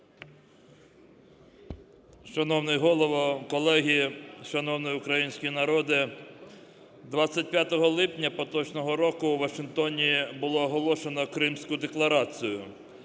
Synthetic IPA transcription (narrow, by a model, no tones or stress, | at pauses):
ʃɐnɔwnɪjɦɔlˠɔʋɔkɔlˠɛɦʲiʃɐnɔwnɪjʊkɾɐjinʲsʲkʲinɐɾɔd̪ɪ | d̪ʋɑt͡sʲːɐt̚ʲpʲjat̪ɔɦɔlˠɪpnʲɐpɔt̪ɔt͡ʃnɔɦɔɾɔkʊwʋɐʃɪnt̪ɔnʲibʊlˠɔːɦɔlˠɔʃenɔkɾɪmsʲkʊd̪eklˠɐɾɑt͡sʲijʊ